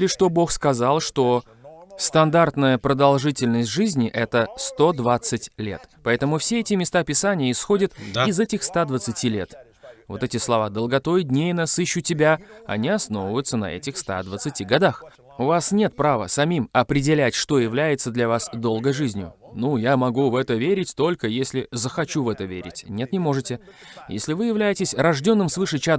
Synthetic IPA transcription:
lʲɪʂt̪o̞bo̞xskɐzalˠʂt̪o̞ | st̪ɐnd̪art̪nəjəpɾəd̪ɐlˠʐɨtʲɪlʲnəsʲtʲʐɨzʲnʲɪʔɛt̪əst̪o̞d̪vat̪sɨtʲlʲe̞̰t̪pɐɛt̪əmʊfsʲeɛtʲɪmʲɪst̪apʲɪsanʲɪjəɪsxo̞dʲət̪ɪzɛtʲɪxst̪ad̪vət̪sɨtʲilʲe̞̰t̪ | vo̞̰t̪ɛtʲɪslˠɐvad̪əlˠɡɐt̪o̞jɪdʲnʲejɪnɐsɨɕːʊtʲɪbʲaɐ̰nʲiɐsno̞vəvəjʊt̪sənɐ̰ɛ̰tʲɪxst̪a̰d̪vət̪sɨtʲiɡɐd̪ax | ʊvasnʲe̞t̪̚pɾavə̰sɐmʲimɐpɾʲɪdʲɪlʲætʲʂt̪o̞jɪvlʲæjɪt̪səd̪lʲɐvasd̪o̞lˠɡəjʐɨzʲnʲjʊ̰nujamɐɡuvɛt̪əvʲeɾʲɪtʲt̪o̞lʲkəjesʲlʲɪzəxɐt͡ɕuvɛt̪əvʲḛɾʲɪ̰tʲnʲet̪nʲɪmo̞ʐɨtʲɪ | jḛsʲlʲɪvɨjɪvlʲæjɪtʲɪsʲrɐʐdʲo̞nːɨmsvɨʂɨt͡ɕa

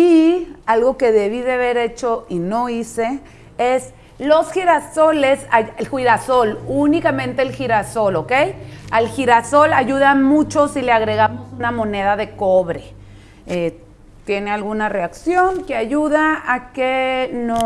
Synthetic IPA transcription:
ialɣokeðeβiðeaβeɾet͡ʃoʔinoise | es | losxiɾasolesaelxwiðasolunikamẽnt̪eːlxiɾasolokejalxiɾasolaʝuðanmut͡ʃosileaɣɾeɣamosunamoneðaðekoβɾe | e | t̪jenealɣunareaksjoŋkeaʝuðaakeno

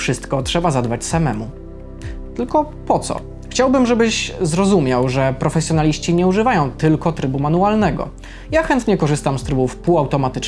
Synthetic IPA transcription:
fʂɘst̪kɔtʂɛbazad̪bat͡ɕsamɛmu | t̪ɘlkɔ | pɔt̪sɔ̰ | xt͡ɕawbɘmʐɛbɘɕzɾɔzumʲjawʐɛpɾɔfɛsʲjɔnalʲiɕt͡ɕiɲɛuʐɘvajɔ̃w̃t̪ɘlkɔt̪ɾɘbumanualnɛɡɔ̰ | jaxɛnt̪ɲɛkɔʐɘst̪amst̪ɾɘbufpuawt̪ɔmat̪ɘt͡ʂ

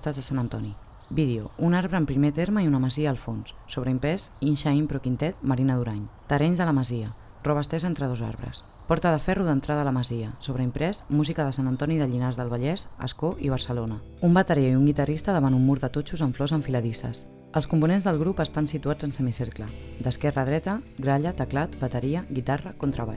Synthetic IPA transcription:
t̪azðəsanənt̪ɔni | biðeuunaɾβɾəːmpɾimet̪eɾməiunəməziəːlˠfonsːoβɾəimpɾɛzinʃaimpɾɔkint̪ɛt̪məɾinəðuɾaɲt̪ərɛɲzðələməziə | rɔβəst̪ɛzent̪ɾəðoza̰ɾβɾə̰s | pɔɾt̪əðəfɛruðənt̪ɾaðələməziəsoβɾəimpɾɛsmuzikəðəsanənt̪ɔniðəʎinazðəlˠβ̞əʎɛzə̰skoʔiβ̞əɾsəlonə | umbət̪əɾiaiuŋɡit̪ərist̪əðəβanumːuɾðət̪ot͡ʃuzəɱflɔzəɱfiləðisə̰s | əlskumpunenzðəlˠɣɾupəst̪ansit̪uḁd͡zənsəmiseɾkləd̪əskɛrəðɾɛt̪əɡɾaʎət̪əklat̪bət̪əɾiəɣit̪arəkont̪ɾəβa̰ʎ

